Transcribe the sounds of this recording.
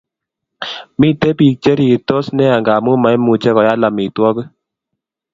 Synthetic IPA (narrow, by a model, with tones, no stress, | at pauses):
mi˦te˦pi˨t͡ʃɛ˦ɾi˨tɔ˦snɛ˦a˨ŋɡa˨mu˦ma˨˦mu˨t͡ʃɛ˦kɔ˨ja˦la˨mi˨twɔ˦kɨ˦